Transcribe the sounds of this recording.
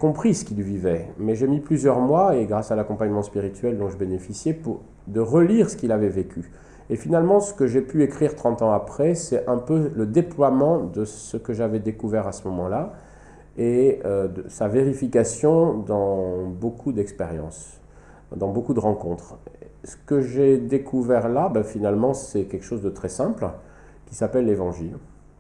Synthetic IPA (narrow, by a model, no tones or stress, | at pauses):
kɔ̃pχisə̥kilvivɛmɛʒemiplyzjœʁmwaeɡʁasalakɔ̃paɲmɑ̃spiʁit̪ɥɛld̪ɔ̃ʒəbenefisjɛpuʁ | d̪əʁəliʁsə̥kilavɛvekʰʲy | efinalmɑ̃sə̥kəʒepyekχiʁt̪χɑ̃t̪ɑ̃apχɛsɛɛ̃pøləd̪eplwamɑ̃d̪əsəkəʒavɛd̪ekuvɛʁasəmɔmɑ̃la | eød̪əsaveʁifikasjɔ̃d̪ɑ̃bokʰud̪ɛkspeʁjɑ̰̃s | d̪ɑ̃bokud̪əʁɑ̃kɔ̃t̪χsə̥kəʒed̪ekʰuvɛʁlabɛfinalmɑ̃sɛkʲɛlkə̥ʃozd̪ət̪χɛsɛ̃pl | kʲisapɛlːevɑ̃ʒil